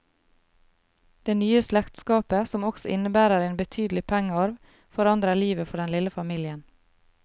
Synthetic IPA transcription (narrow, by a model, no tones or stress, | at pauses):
d̪̥eːnyːəslɛkt̪skɑːpəsɔmɔksɔʔɪnəbæːɾəɾeːnbət̪ʰyːd̪l̩ɪpʰɛŋəɔɾʋ | fɔɾɑnd̪ɾəɭiːʋəfɔɖɛnlɪləfɑmiːlɪən